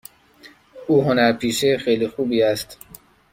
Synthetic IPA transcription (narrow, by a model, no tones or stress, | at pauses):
ʔuːɦonæɾpʰiːʃexejliːxuːbiːæst̪